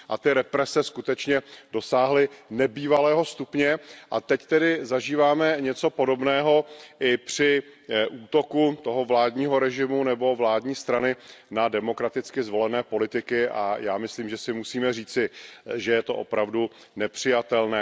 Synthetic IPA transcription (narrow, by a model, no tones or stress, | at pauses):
ʔat̪ɪɾɛpɾɛsɛskut̪ɛt͡ʃɲɛdo̞saːɦlɪnɛbiːvalɛːɦo̞st̪upɲɛʔat̪ɛct̪ɛdɪzaʒiːvaːmɛɲɛt͡so̞po̞do̞bnɛːɦo̞ʔɪpr̝̥ɪʔuːt̪o̞kut̪o̞ɦovlaːdɲiːɦo̞ɾɛʒɪmunɛbo̞vlaːdɲiːst̪ɾanɪnadɛmo̞kɾat̪ɪt͡skɪzvo̞lɛnɛːpo̞lɪt̪ɪkɪʔa̰jaːmɪsliːmʒɛsɪmusiːmɛriːt͡sɪʒɛjɛt̪o̞̰ʔo̞̰pɾavdu | nɛpr̝̥ɪjat̪ɛlnɛː